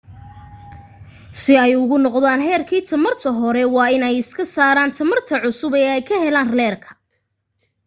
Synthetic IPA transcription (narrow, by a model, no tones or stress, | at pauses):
sɪɛjʊɣʊnɔqðaːnħɛːrkʰiːt̪ʰɐmɐrt̪ʰɐɦɔɾɛwɑːɪnɛjɪskʰɐsaːɾaːnt̪ʰɐmɐrt̪ʰɐʕʊsʊbɛːɛjkʰɐhɛlaːnrlɛːrkʰɐ̥